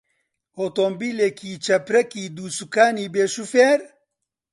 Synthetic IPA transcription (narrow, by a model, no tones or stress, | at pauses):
hoːt̪oːmbiːleːkʰiːt͡ʃʰɐpɾɛkiːd̪uːsukaːniːbeːʃufeːɾ